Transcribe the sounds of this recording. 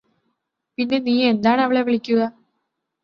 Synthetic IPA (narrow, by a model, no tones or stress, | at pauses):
pinːe̞niːe̞nd̪aːɳɐʋiɭe̞ʋiɭikʲːuɣɐ